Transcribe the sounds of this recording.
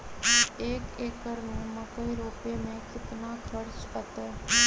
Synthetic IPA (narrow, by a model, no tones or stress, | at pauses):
ekekːəɾnũməkəiɾopemẽkɪt̪nakʰəɾt͡ʃət̪a